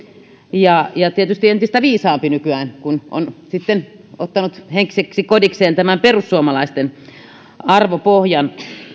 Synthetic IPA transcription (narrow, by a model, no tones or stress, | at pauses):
jɑjɑt̪iet̪yst̪ient̪ist̪æʋiːsɑːmpinykyæːnkuno̰nsit̪ːen | ot̪ːɑnut̪heŋkseksikodikseːnt̪æmæmperusːuomɑlɑist̪en | ɑrʋopohjɑn